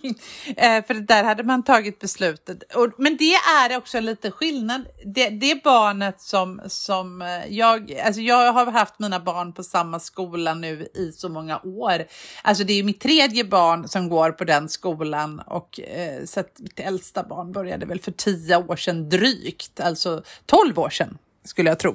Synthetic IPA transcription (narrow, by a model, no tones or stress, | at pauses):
fœɾat̪̚d̪æːɾhad̪ːəmant̪ʰɑːɡɪt̪̚bɛslʉ̟ːt̪ət̪ɔmɛnd̪ɛæɾɔksɔɛnliːt̪əɧɪlnad̪d̪ɛd̪ɛbɑːɳət̪sɔmsɔmjɑːɡa̰ls̬ɔjɑːɡɦaɾɦaft̪miːnabɑːɳpʰɔsamːaskuːlanʉ̟ːɪsɔmɔŋːaʔoːɾʔals̬ɔd̪ɛɾjɵmɪt̪ʰːɾeːd̪jəbɑːɳsɔmɡoːɾpʰɔd̪ɛnskuːlanɔ̰ksat̪mɪt̪ɛlst̪abɑ̰ːɳbœɾja̰d̪əvɛlfœʈʰiːəoːʂɛnd̪ɾyːkt̪alsɔt̪ʰɔlvo̰ːʂɛn | skɵləjaɡt̪ʰɾṵː